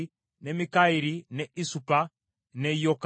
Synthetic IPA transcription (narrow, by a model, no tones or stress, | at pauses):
nɛmikaiɾinɛʔisupa | nɛjɔk